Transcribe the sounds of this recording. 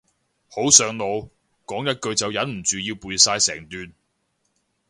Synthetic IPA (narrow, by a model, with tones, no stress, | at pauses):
ho˨˥wsœː˨ŋlo˨˧w | kɔː˨˥ŋjɐ˥t̚kɵ˧ɥt͡sɐ˨wjɐ˨˥nm̩˨˩t͡ʃyː˨˧jiː˧wpuː˨˧jsaː˧jsɛː˨˩ŋt̪yː˨n